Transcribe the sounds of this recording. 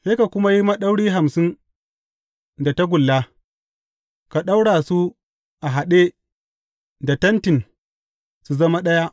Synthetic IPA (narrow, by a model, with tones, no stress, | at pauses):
se˦ka˨kʷʊ˦ma˦ji˦ma˦ɗɐ˦wɽiː˦ɦa˨msɪ˦n | da˨ta˦ɡʷʊ˨lːa˦ | ka˨ɗa˦wɽaː˨su˦ | ʔa˨ɦa˨ɗe˦ | da˨tɐ˦ntɪ˨n | su˨zɐ˦ma˦ɗɐ˦ja˦